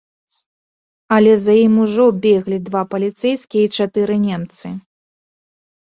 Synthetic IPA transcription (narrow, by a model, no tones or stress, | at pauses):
ɐlʲɛzɐjimuʐɔbʲeɣlʲid̪vapɐlʲit̪sɛjskʲijɛit͡ʂat̪ɨɾɨnʲɛmt̪sɨ